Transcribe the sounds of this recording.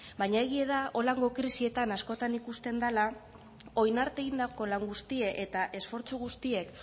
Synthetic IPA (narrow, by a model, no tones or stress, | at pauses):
bajɲae̞ɣ̞ie̞ðao̞laŋɡo̞kɾisie̞t̪anasko̞t̪anikust̪e̞nd̪ala | o̞jnaɾt̪e̞ɣind̪ako̞laŋɡust̪ie̞ʔe̞t̪aʔe̞sfo̞ɾt͡suɣust̪ie̞k